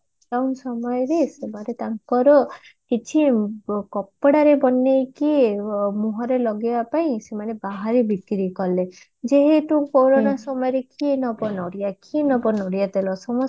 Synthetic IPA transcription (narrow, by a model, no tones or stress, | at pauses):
awnsɔmɔjɔɾesemaɾet̪aŋkɔɾɔkit͡ʃʰikɔpːɔɽaɾebɔnːejkimuɦɔɾelɔɡibapaĩsemanebaɦaɾibikɾikɔle | d͡ʒeɦeʈukoɾonasɔmɔjɔɾekienɔbɔnɔɽijakinɔbɔnɔɽijat̪elɔsɔmɔ